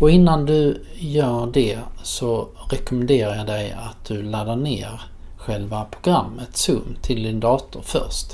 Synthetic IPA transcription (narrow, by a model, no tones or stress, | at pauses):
ɔɪnːand̪ɵ | jœːɖɛsɔ | ɾɛkʊmɛnd̪eːɾajɑd̪ɛja̰t̪̚d̪̥ɵlad̪əɳḛːɾ | ɧɛlvapʰɾʊɡɾamːət̪sɵmːt̪ʰɪld̪ɪnd̪ɑːt̪ʊɾfœ̰ɾʂt̪